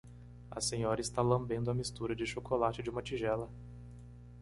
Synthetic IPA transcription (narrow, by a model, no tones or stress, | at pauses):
ɐ̰sẽɲɔɾɐɪst̪alɐ̃mbẽnd̪ʊɐmist̪uɾɐd͡ʒɪʃokʰolat͡ʃɪd͡ʒɪũmɐt͡ʃiʒɛlɐ